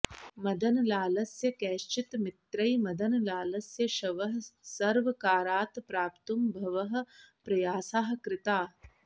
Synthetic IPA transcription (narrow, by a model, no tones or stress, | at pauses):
mɐd̪ʱɐnɐlaːlɐsjɐkɛːʃt͡ʃit̪mɪt̪ɾɐjmɐd̪ʱɐnɐlaːlɐsjɐʃɐʋɐɦɐ̆sɐɾʋɐkaːɾaːt̪pɾaːpt̪umbʱɐʋɐɦɐ̆pɾɐjaːsaːɦkɾɪt̪aː